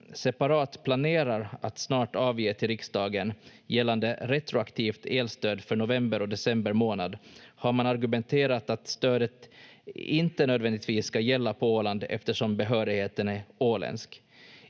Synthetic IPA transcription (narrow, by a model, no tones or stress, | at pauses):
sɛpaɾɑːt̪pʰlaneːɾaɾat̪snɑːʈɑːvjeːt̪ʰɪlɾɪksd̪ɑːɡənjɛlːand̪əɾɛt̪ɾʊakt̪ʰiːft̪ʰeːlst̪øːd̪fœɳʊvɛmbəɾɔd̪ɛsɛmbəɾmoːna̰d̪haɾmanaɾɡɵmɛnt̪ʰeːɾat̪at̪st̪øːd̪ət̪ | ɪnt̪ənøːd̪vɛnd̪ɪt̪viːsːkajɛlːapʰɔoːland̪ɛ̰ft̪əʂɔmbɛɦœːɾɪɡheːt̪ənæoːlɛ̰nsk